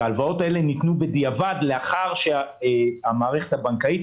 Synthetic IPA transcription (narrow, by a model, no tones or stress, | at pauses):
aalvao̞tae̞le̞nitnube̞d̪iavad̪le̞aχaʁʃe | amaːʁe̞χe̞̥thabaŋkait